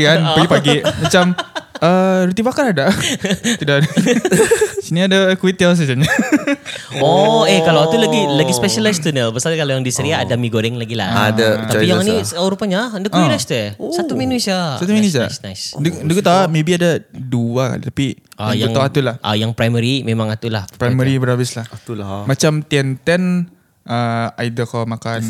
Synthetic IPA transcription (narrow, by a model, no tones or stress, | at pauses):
ianpaɡipaɡiʔmat͡ʃamʔəɾut̪ibakaɾadat̪udad | siniadakuwit̪als̬əd͡ʒaɲa | oekalawat̪ulaɡiləɡispɛʃalast̪unəbəsalkalajaŋdisəɾiaːdamiɡoɾɪŋlaɡila̰a̰daapijaŋniɾupaɲandəkɔ̃inast̪uɛsat̪umenusiasat̪uminuis̬aa̰snajsndəndəkut̪aamebiadaduaka̰t̪apiʔajaŋt̪aat̪ulahʔa̰jaŋpɾajməɾimemãŋat̪ulahpɾajməɾibəɾabɪslahat̪ulamat͡ʃamt̪iɛnt̪ɛn | ʔəaidəkamakan